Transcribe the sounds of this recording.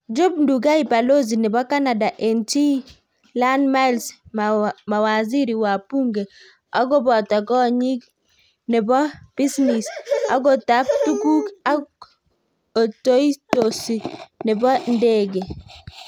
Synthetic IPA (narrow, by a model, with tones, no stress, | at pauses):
d͡ʒʊ˦bndu˨ɡa˦i˨pa˨lo˦z̬i˨nɛ˨bɔ˦ka˦na˨da˨ʔe˨nti˦ | la˦nma˦lsmma˨wa˨zi˦ɾi˨wa˨pu˦ŋɡe˨ | a˦ɡɔ˦bɔ˨ta˨ɡɔ˦ɲi˦k | nɛ˨bɔ˦b̥i˦sni˨sa̰˦ɡɔ˨ta˦p̚tu˦ɡu˦ka˦ɡ | o˨to˦i˦to˨si˨nɪ˨bɔ˦nde˦ɡe˨